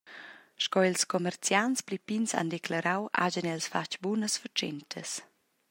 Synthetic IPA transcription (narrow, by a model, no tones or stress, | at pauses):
ʃkɔilskɔmɛrt͡sjansplipinsa̰ndɛklaɾawʔa̰ɟənɛlsfat͡ʃbunəsfət͡ʃɛntʰəs